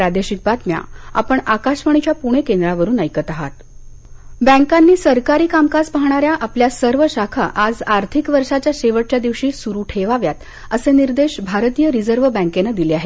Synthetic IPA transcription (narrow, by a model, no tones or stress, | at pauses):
pɾad̪eɕik̚bat̪mja̰a̰pəɳakaɕʋəɳ̃it͡ɕjapuɽ̃ekend̪ɾaʋəɾuːnəjkət̪aɦa̰t̪ | bə̃ŋkanːiːsəɾkaɾiːkamkaspaɦɳ̃aɾjaʔapljasəɾʋəɕakʰaʔad͡zaɾt̪ʰikʋəɾʂat͡ɕjaɕeʋəʈ̚t͡ɕjad̪iʋɕiːsuɾuːʈʰeʋaʋjat̪ | əseniɾd̪eɕbʱaɾt̪ijəɾid͡zəɾʋəbɛ̃ŋkenəd̪ileaɦe